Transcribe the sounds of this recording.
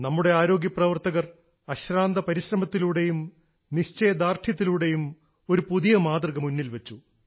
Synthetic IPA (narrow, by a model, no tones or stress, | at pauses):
nɐmːuɽe̞aːɾo̞ːɡjɐprɐʋɐrt̪ɐɣɐr | ɐɕɾaːnd̪ɐpɐɾiɕrɐmɐt̪ːiluːɽe̞jum | niɕt͡ɕejɐd̪aːrt̪ʰjɐt̪̬ːiluɽe̞jum | o̞ɾupuðijɐmaːd̪rɐɣɐmunːilʋet͡ɕːu